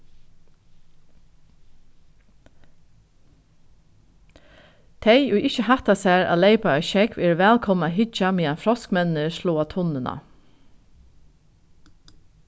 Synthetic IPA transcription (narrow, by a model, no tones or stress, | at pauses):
t̪ʰeɪʔuːʔɪçəhɑt̪ɑsæːɹʔɑ̰ːleɪpɑœʏʃɛkʰʋeːɹʋæːlkʰɔmɑhɪd͡ʒɑmiːɑfɹɔskmɛnəʃloːɑt̪ʰʊnənʔɑ̰